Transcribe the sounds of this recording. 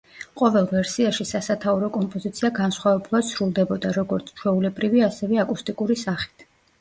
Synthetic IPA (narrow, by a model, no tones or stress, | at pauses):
qʼɔvɛlˠvɛɾsiaʃisasat̪ʰauɾɔkʼɔmpʼɔzit̪sʰiaɡansχwavɛbulˠad̪̥sɾulˠd̪ɛbɔd̪aɾɔɡɔɾt̪sʰt͡ʃʰwɛulɛbɾiviasɛvɛakʼust̪ʼikʼuɾisaχi̥t̪ʰ